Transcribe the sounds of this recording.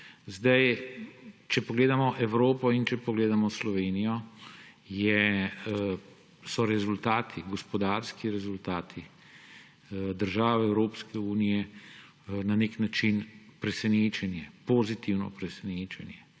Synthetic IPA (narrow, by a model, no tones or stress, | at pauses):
zd̪aj | t͡ʃɛpɔɡleːd̪amɔʔɛwɾoːpɔint͡ʃɛpɔɡleːd̪amɔslɔʋeːnijɔ | jɛ | sɔɾɛzult̪aːt̪ʰiɡɔspɔd̪aːɾskiɾɛzult̪aːt̪ʰi | d̪əɾʒaːʋɛɛwɾoːpskɛuːnijɛ | naneknat͡ʃinpɾɛsɛneːt͡ʃɛnjɛpoːzit̪iwnɔ̰pɾɛsɛneːt͡ʃɛnjɛ